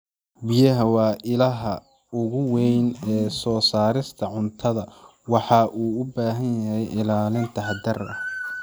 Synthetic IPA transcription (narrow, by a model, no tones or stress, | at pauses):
bɪjɐɦɐwɑːʔɪlɐɦɐ | ʊɣʊwɛjnɛːsɔːsaːɾɪst̪ʰɐʕʊnt̪ʰɐðɐwɑħɑːʔuːʊbaːɦɐnjɐɦɛjʔɪlaːlɪnt̪ʰɐhɐd̪ɐrɐh